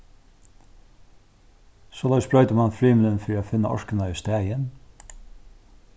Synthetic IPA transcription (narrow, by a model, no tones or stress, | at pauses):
soːlɛsbɹœʏt̪əmanfɾiːmɪlənfɔɾafɪnːaɔ̰ɹkənaʏst̪æːjən